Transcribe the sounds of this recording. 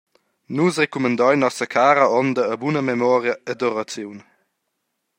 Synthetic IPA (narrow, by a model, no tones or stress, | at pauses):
nusrekumənd̪ɔjnɔsəkʰaːɾəɔnd̪əːbunəmemɔːɾjəəd̪ɔɾat͡sjuwn